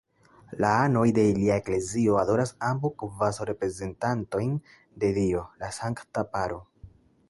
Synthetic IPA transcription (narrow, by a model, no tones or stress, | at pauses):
laano̞jde̞iliaekle̞zio̞ado̞ɾasambukvasoɾe̞pɾe̞ze̞ntanto̞jn | de̞dio̞lasaŋktapaɾo